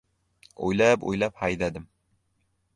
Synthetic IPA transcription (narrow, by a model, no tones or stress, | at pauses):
ojlapo̰jlaphajd̪ad̪ɪm